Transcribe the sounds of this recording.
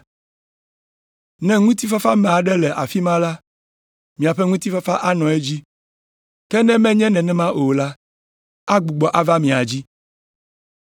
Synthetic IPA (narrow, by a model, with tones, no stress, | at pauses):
nɛ̃˦ŋũ˦t̪i˦fa˦fa˦mɛ̃˨a˨ɖɛ˦lɛ˨ʔa˨fi˦mã˦la˦ | mĩ˨a˨ɸɛ˦ŋũ˦t̪i˦fa˦fa˦ʔa˦nɔ̃˨e˦d͡ʑi˦ | kɛ˦nɛ̃˦mɛ̃˦ɲɛ̃˦nɛ̃˨nɛ̃˦mã˦ʔo˨la˦ | a˦ɡ͡bu˨ɡ͡bɔ˨ʔa˦va˦mĩ˨a˨d͡ʑi˦